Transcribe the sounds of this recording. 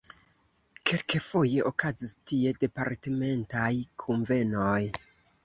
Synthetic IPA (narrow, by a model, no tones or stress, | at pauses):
kʰe̞lkefo̞je̞ʔokazistie̞de̞paɾteme̞ntajkʰonve̞noj